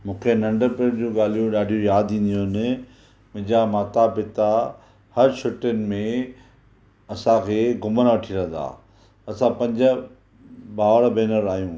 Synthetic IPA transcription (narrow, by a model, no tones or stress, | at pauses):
mũːkʰenɐ̃ɳɖəɾpeɾd͡ʑũːɠaːl̤ijũɗaːɖʱijũjaːd̪ĩːn̆d̪ijonɪ | mʊ̃ɦɪ̃ɲd͡ʑamaːt̪apɪt̪a | hɐɾʃʰʊʈənɪ̆mẽ | ɐsãkʰeːɡʊmənʋɐʈʰiɾɐ̃nd̪a̰ː | ɐsãpɐ̃ɲd͡ʑə̆ | ɓaːʋəɽbʱeːnəɾaːjũː